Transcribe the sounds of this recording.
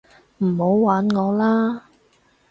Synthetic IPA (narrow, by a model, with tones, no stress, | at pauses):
m̩˨˩ho˨˥wwaː˨˥nŋɔː˨˧laː˥